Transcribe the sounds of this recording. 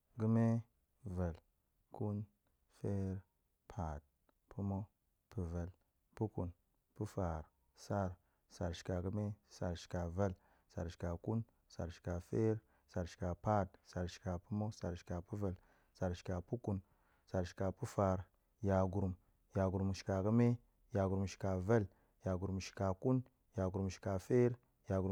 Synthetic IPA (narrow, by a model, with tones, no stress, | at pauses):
ɡu˦me˦ | va˨l | ku˦n | fe˦ɾ | pʰa˨d̚ | pʰu˦mo˦ | pu˨va˨l | pu˦ku˨n | pu˦fa˨ɾ | sa˦ɾ | sa˨ɾʃi̥˨ka˨ɡu˦me˦sa˨ɾʃi̥˨ka˨va˦l | sa̰˨ɾʃi̥˨ka˨ku˦n | sa̰˨ɾʃi̥˨ka˨fe˦ɾ | sa˨ɾʃi̥˨ka˨pa˦˨dsa˨ɾʃi̥˨ka˨pu˦mo˦sa˨ɾʃi̥˨ka˨pu˦va˨l | sa˨ɾʃi̥˨ka˨pu˦ku˦n | sa˨ɾʃi̥˨ka˨pu˦fa˨ɾ | ja˨ɡu˨ɾm | ja˨ɡu˨ɾmʃi̥˨ka˨kə˦me˦ | ja˨ɡu˨ɾmʃi̥˨ka˨va˦l | ja˨ɡu˨ɾmʃi̥˨ka˨ku˦n | ja˨ɡu˨ɾʃi̥˨ka˨fe˦ɾ | ja˨ɡu˨ɾ